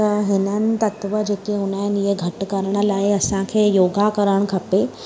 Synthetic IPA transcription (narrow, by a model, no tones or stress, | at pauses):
t̪ɐɦɪnənɪ̆t̪ɐt̪ʋəd͡ʑeːkeɦʊnaɦɪnɪɦeɡʱɐʈkɐɾəɽ̃ə̆laːɪɐsãkʰeːjoːɡakɐɾəɽ̃kʰɐpe